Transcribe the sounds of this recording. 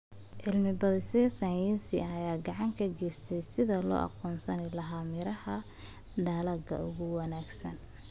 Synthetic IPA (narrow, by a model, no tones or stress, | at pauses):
ʔɪlmɪbɐðɪsɛːsɐnjɪsɪɐjaːɡɑʕɑŋkʰɐɡɛːst̪ʰɛjsɪðɐlɔ̰ːʔɑ̰qɔːnsɐnɪlɐɦaːmɪɾɐhɐ | ɖɐːlɐɡɐ̰ʊɣʊwɑnaːɡsɐn